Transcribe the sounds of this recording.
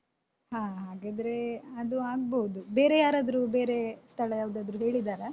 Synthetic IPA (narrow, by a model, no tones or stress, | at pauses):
haːɦaːɡaːd̪ɾe̞ɐd̪uaːɡ̚boud̪ube̞ːɾejaːɾaːd̪ɾube̞ːɾe̞st̪ʰɐɭɐjaːʋd̪aːd̪ɾuɦe̞ːɭid̪aːɾɐ